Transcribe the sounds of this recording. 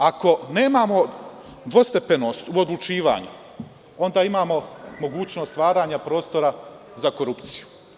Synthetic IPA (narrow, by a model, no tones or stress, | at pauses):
ako̞ne̞ːmaːmo̞ | d̪ʋo̞st̪e̞pe̞no̞ːst̪uod̪lˠut͡ʃiːʋa̰ːɲṵ | o̞nd̪aːimaːmo̞mo̞ɡuːt͡ɕno̞ːst̪ʋaːɾaːɲapɾo̞ːst̪o̞ɾa | zako̞ɾupt̪siju